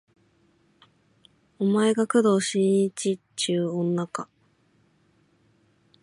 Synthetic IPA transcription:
omaeɡakɯ̟d̪o̞ːɕĩit͡ɕi | t͡ɕɨːõ̞nːaka

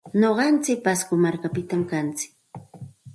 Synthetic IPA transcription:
noɢɑnt͡sɪk̚paskʊmaɾkapɪt̪amkant͡sɪ̥k

